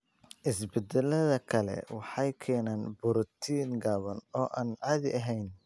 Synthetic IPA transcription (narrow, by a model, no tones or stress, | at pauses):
ʔɪsbɛd̪ɛlɐðɐkʰɐlɛ̰wɑħɑjkʰɛːnaːnbʊɾt̪ʰiːŋɡaːβɐnɔːʔaːnʕɑːðɪʔɐɦɛjn